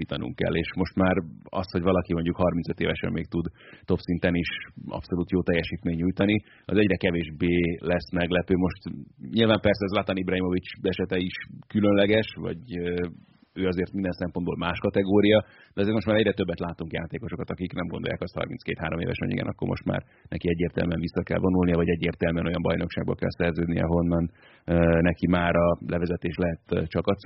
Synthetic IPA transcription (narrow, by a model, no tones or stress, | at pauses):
iːt̪ɒnṵŋkɛ̰lːeːʃmo̞ʃt̪maːɾɒ̰st̪ho̞ɟvɒlɒkimo̞ɲɟukhɒrminsøt̪ḛːvɛʃɛ̰mːeːk̚t̪ud̪t̪o̞psint̪ɛniʃɒ̰pso̞luːt̪joːt̪ɛjːɛʃiːt̪meːɲːujt̪ɒni | ɒ̰zɛɟrɛkɛveːʒbeːlɛsmɛɡlɛpøːmo̞ʃt̪ɲilvaːmpɛrsɛzlat̪ɒnibrɒɦimo̞vit͡ʃɛʃɛt̪ɛiʃkylønlɛɡɛʃvɒ̰ɟø | øːɒzeːrt̪mind̪ɛnsɛmpo̞nd̪bo̰ːlmaːʃkɒt̪ɛɡoːɾijɒ | d̪ɛɒzeːrt̪mot̪maːɾɛɟrɛt̪ø̞bːɛt̪laːt̪uŋkja̰ːt̪eːko̞ʃo̞kɒt̪ɒkiknɛmɡo̞nd̪ojaːkɒst̪hɒ̰rminskeːt̪haːɾo̞mḛːvɛ̰ʃɛ̰nḭɡɛ̰nɒ̰kːo̞̰rmo̞̰ʃt̪ma̰ːr | nɛkiɛɟːeːrt̪ɛ̰lmyɛɱvisːɒkɛ̰lvo̞nulnijɒvɒɟɛɟːeːrt̪ɛlmyɛno̞jɒmbɒ̰jno̞kʃaːɡ̚bɒ̰kɛ̰lsɛrzøːd̪nijɛ̰ɦo̞nːɒn | ønɛkimaːɾɒlɛvɛzɛt̪eːʃlɛɦɛt̪t͡ʃɒkɒt̪s